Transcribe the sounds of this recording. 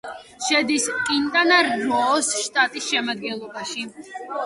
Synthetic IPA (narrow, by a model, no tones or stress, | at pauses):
ʃɛd̪iskʼint̪ʼanaɾːɔsʃt̪ʼat̪ʼisʃɛmad̪̚ɡɛnlˠɔbaʃi